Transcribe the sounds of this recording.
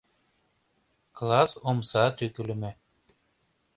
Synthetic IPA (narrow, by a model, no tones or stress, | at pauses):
klˠɑsomsɑt̪yky̆lɘ̆mɘ